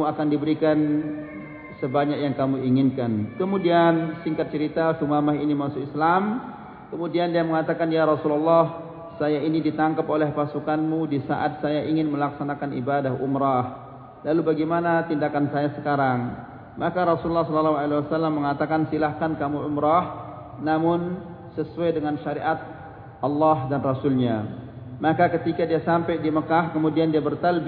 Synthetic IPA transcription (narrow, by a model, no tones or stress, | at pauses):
uakandibəɾikan | səbaɲakjaŋkamuiŋɪnkankəmudiansiŋkat̪̚t͡ʃəɾit̪asumamaɦinimasʊkislam | kəmudiandiaməŋat̪akanjaɾɔsululːɑh | sajainidit̪aŋkapolɛhpasukanmudisa̰ʔat̪̚sajaʔiŋɪnməlaksanakanḭbadaɦʔumɾah | lalubaɡimanat̪indakansajasəkaɾaŋ | mʔakaɾɔsululːɑhsɔlalːaɦualewasalːamːəŋat̪akansilahkankamuʔʊmɾah | namʊn | səsuajdəŋanʃaɾiʔat̪̚ | ʔɑlːɑɦdanrasʊlɲa | makakət̪ikadiasampajdiməkahkəmudiandiabərt̪alb